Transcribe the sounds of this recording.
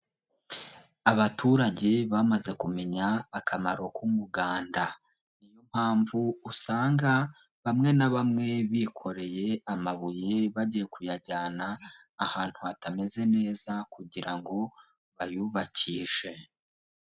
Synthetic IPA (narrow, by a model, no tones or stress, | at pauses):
aβatʰuːɾaɟe̞βamaze̞kume̞ɲaːkʰamaɾo̞kumuɡaːnda | ijo̞m̥haːɱvuːsaːŋɡa | βamŋe̞naβamŋe̞βikʰo̞ɾe̞je̞amaβujeβaɟije̞kujaɟaːnaː | haːn̥huatame̞ze̞ne̞ːzakuɟiɾaŋɡo̞ | βajuβaciːʒe̞